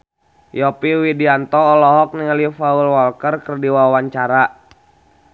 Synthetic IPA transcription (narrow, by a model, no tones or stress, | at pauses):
jɔpiwidiant̪ɔːlɔɦɔk̚niŋalifaulwɔlkərkərdiwawaɲt͡ʃaɾa